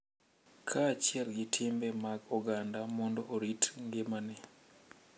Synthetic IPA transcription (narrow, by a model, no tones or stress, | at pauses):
kʰat͡ʃɪɛlɡɪtʰɪmbɛmaɡɔɡandamɔndɔʔoɾitŋɡemanɛ